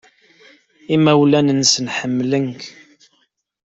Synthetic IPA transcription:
imæwlænənsənħəmːlənk

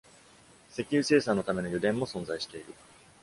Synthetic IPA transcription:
se̞kʲɨːse̞ːsãnːo̞t̪ame̞no̞jod̪ẽ̞mːo̞sõ̞nzaiɕi̥t̪e̞iɾɯ̟

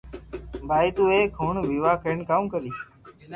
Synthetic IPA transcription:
bʱaːiːt̪uːeːkɦʊɳʋiːʋaːkəɳkaːũːkəɾiː

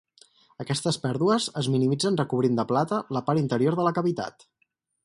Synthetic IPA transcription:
əkɛst̪əspɛɾðuəzəzminimid͡zənrəkuβ̞ɾind̪əplat̪ələpaɾint̪əɾioɾðələkəβit̪a̰t̪

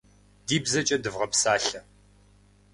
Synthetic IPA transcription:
diːbzɐt͡ʃʼɐdɨvʁɐpsaːɬɐ

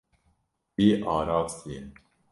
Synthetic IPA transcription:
iːʔɑːɾɑːvsin

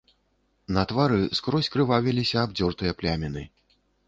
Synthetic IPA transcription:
nɐt̪vaɾɨskɾɔsʲkɾɨvavʲilʲisʲɐːb̚d͡zʲɔrt̪ɨjɐplʲamʲɛnɨ

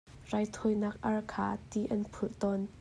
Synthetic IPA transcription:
rajt̪ʰojnak̚ʔɐrkʰa̰ːt̪iʔɐnpʰuʔt̪ɔn

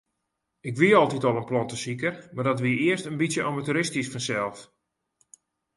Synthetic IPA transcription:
ɪkʋiəɔlˠtitɔlˠənplɔntəsikərmardɔtʋiəɪəstənbitsjəʔamatuɾɪstisfɔnsɛlˠf

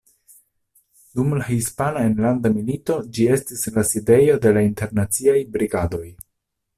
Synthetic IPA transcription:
dumlahispanae̞nlandamilito̞d͡ʒie̞stislaside̞jo̞de̞lainte̞ɾnat͡siajbɾiɡado̞j

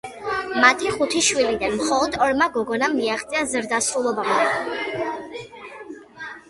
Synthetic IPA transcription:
mat̪ʰiχut̪ʰiʃwilid̪anmχɔlˠɔd̪ɔɾmaɡɔɡɔnamiaχt̪sʼiazɾd̪asɾulˠɔbam

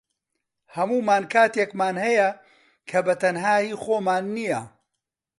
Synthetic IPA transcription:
hɐmuːmaːnkʰaːt̪eːkmaːnhɐjɐ | kʰɐbɐt̪ɐnɦaːjiːxoːmaːnːijɐ

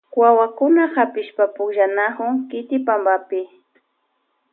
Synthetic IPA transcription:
wawakʊnahapɪʃpapʊkʒanakʊŋkɪt̪ɪpambapɪ

